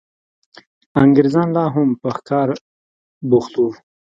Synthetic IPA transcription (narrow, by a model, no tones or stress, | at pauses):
aŋɡɪɾzɑnlɑɦʊmpəxkɑɾ | buxt̪u